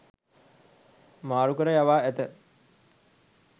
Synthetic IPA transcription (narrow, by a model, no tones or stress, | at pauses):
maːɾukəɾəjaʋaːæt̪ə